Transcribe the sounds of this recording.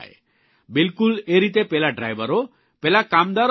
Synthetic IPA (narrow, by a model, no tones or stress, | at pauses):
j | bilkuleɾit̪epelaɖɾa̰jbaɾo | pelakamd̪aɾ